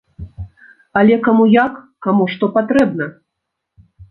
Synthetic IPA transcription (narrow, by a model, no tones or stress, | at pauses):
ɐlʲɛkamujakːamuʂt̪ɔpat̪ɾɛbnɐ